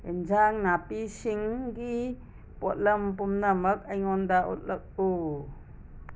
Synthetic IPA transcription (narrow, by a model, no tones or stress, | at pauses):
ind͡ʒaŋnapisiŋki | pɔt̪̚lɐmpumnamɐk̚ɐjŋɔndaʔṵt̪̚lɐk̚u